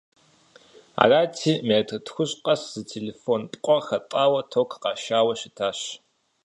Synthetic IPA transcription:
a̰ːraːtʰiːmetʰɐtxʷʊɕʼqʼɐszɨtʰelefoːnpʼqʷʼɔxɐtʼaːwɐtʰokʰqɑːʃaːwɐʃɪtʰaːɕ

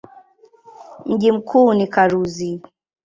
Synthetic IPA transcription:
m̩ʄim̩kʰuːnikaɾuzi

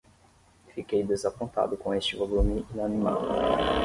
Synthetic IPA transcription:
fikejd̪ezapõnt̪a̰d̪ʊkõest͡ʃɪvolumiinanima̰l

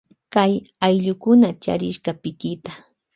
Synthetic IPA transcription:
kajajʎʊkʊnat͡ʃa̰ɾɪʃɢɑpɪkɪt̪a

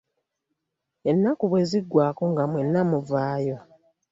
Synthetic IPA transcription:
e̞nːakuβwe̞ziɡːwaːko̞ŋɡamwe̞nːamuvaːjo̞

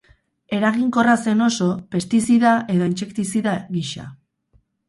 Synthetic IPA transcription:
e̞ɾaɣiŋko̞rase̞no̞so̞pe̞st̪isiðaʔe̞ðo̞int͡ʃe̞kt̪isiðaɣiʃa̰

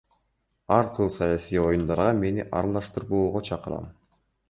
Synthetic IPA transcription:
ɑɾqʰɯlˠsɑjasijo̞jund̪ɑɾʁɑme̞nḭʔɑ̰ɾɑlˠɑʃt̪ɯɾboːʁot͡ʃʰɑqɯɾɑ̰m

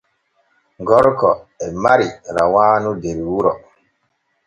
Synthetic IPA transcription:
ŋɡɔɾkɔɛmaɾiɾa̰waːnudeɾiwuɾɔ

